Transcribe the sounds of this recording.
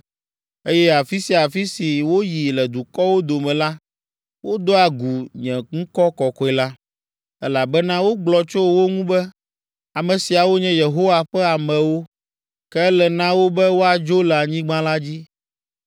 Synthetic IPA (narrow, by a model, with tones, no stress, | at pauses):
e˦jɛ˦a˨fi˦si˨a˨fi˦si˨wo˦ji˨lɛ˨d̪u˨kɔ˦wo˦d̪o˨mɛ̃˨la˦ | wo˦d̪o˦a˨ɡu˨ɲɛ̃˨ŋ̩̃˦kɔ˦kɔ˨kɔ˦ɛ˨la˦ | ɛ˦la˨bɛ˦nã˦wo˦ɡ͡blɔ˨t͡ʃo˦wo˦ŋũ˦bɛ˦ | a˨mɛ̃˨si˨a˨wo˦ɲɛ̃˦je˨ɦo˦wa˨ɸɛ˦a˨mɛ̃˨wo˦ | kɛ˦lɛ˨nã˦wo˦bɛ˦wo˦a˨d͡ʒo˦lɛ˨a˨ɲĩ˦ɡ͡bã˦la˦d͡ʑi˦